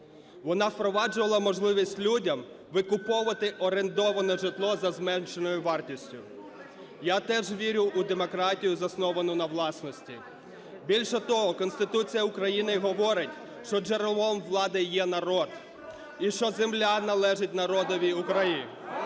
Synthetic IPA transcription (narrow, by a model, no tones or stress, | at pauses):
ʋɔnɑwpɾɔʋɑd͡ʒʊʋɐlˠɐmɔʒlˠɪʋʲisʲtʲlʲudʲɐm | ʋɪkʊpɔʋɐt̪ɪʔɔɾent̪ɔʋɐnɔʒɪt̪lˠɔzɐzmɛnt͡ʃenɔjʊʋɑrtʲisʲtʲʊ | jat̪ɛʒʋʲiɾʲʊʔʊd̪emɔkɾɑtʲijʊzɐsnɔʋɐnʊnɐʋlˠɑsnɔsʲtʲi | bʲilʲʃɛt̪ɔɦɔkɔnst̪ɪt̪ut͡sʲijɐʊkɾɐjinɪɦɔʋɔɾɪtʲ | ʃt͡ʃɔd͡ʒeɾlˠʋɔmʋlˠɑd̪ɪjɛnɐɾɔd̪ | iʃt͡ʃɔzemlʲanɐlˠɛʒɪt̚ʲnɐɾɔd̪ɔʋʲiʊkɾɐji